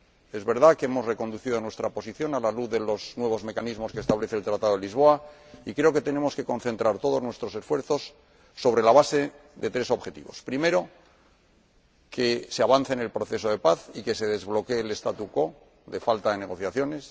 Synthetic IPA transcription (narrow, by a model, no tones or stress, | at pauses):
e̞zβe̞ɾðakeemo̞zre̞ko̞nd̪uθiðonwe̞st̪ɾapo̞siθjo̞nalaluððe̞lo̞znwe̞β̞o̞zme̞kanizmo̞skest̪aβle̞θelt̪ɾat̪aðo̞elizβ̞o̞aikɾe̞o̞ket̪e̞ne̞mo̞ske̞ko̞nθe̞nt̪ɾaɾt̪o̞ðo̞znwe̞st̪ɾo̞se̞sfwe̞ɾθo̞sː | o̞β̞ɾe̞laβase̞ | ðe̞t̪ɾe̞so̞βxe̞t̪ḭβo̞spɾime̞ɾo̞ | keseaβan̟θene̞lpɾo̞θe̞s̬o̞ðe̞paθike̞se̞ðe̞zβlo̞keːle̞st̪at̪uko̞ | ðe̞falt̪aðe̞ne̞ɣo̞θjaθjo̞ne̞s